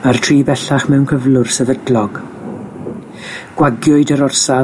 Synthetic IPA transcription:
martʰriːbɛɬaχmɛwnkʰəvlˠʊrsɛvədlɔɡ̥ | ɡ̥waɡjʊɨdəɾɔrsa

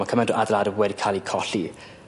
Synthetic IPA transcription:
akʰəmɛnduʔadlˠadəvwɛdikʰalˠikʰɔɬi

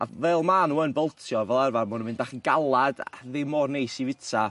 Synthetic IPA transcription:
a̰vɛlˠmanuənbəlˠtʰjɔvɛlˠɛrvanmʊnənmɪndaχənɡ̥alˠad̥a̰ðɪmɔrnejsivɪtʰa

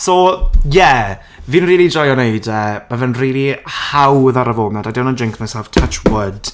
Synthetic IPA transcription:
sɔjɛ | viːnriːlˠid͡ʒɔjɔneɨdəːmavənriːlˠihawðaɾəvoːbnadadɪwnɔd͡ʒɪŋkʰmasav̥tʰət͡ʃʰwəd̥

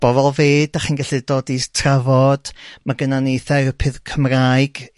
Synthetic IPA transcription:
b̥ɔvɔlˠveːdaχinɡaɬɨdoːdistʰravɔd̥maɡənanijθɛrpʰɪðkʰəmraɨɡ̥

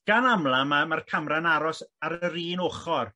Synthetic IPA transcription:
ɡ̥anamlˠamamarkʰamranaɾɔsaɾəɾiːnoːχɔr

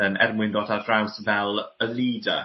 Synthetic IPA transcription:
ənɛ̰rmwɪndɔdadrawsvɛlˠəliːdə̰

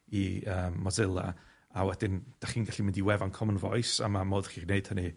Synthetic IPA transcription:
iəːmːɔzɪlˠa̰ | awɛdɪnd̥aχiːnɡaɬimɪndiwɛvankʰɔmənvɔɨsa̰mamoːðχiːrneɨd̥həni

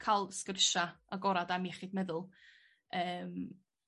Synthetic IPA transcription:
kʰalˠskərʃaaɡɔɾadamiɛχiːdmɛðʊlˠ | əːm

